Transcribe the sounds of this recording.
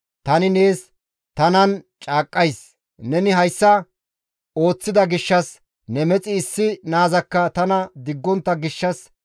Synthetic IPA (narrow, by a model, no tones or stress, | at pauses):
t̪ɐnɪne̞ːs | t̪ɐnɐn | t͡ʃʼaːkʼːɐjs | nɛnɪɦɐjsːɐ | o̞ːt͡sːɪd̪ɐɡɪʃːɐs | nɛmɛt͡sʼɪːsːɪnaːzɐkːɐt̪ɐnɐd̪ɪɡːɔnt̪ːɐɡɪʃːɐs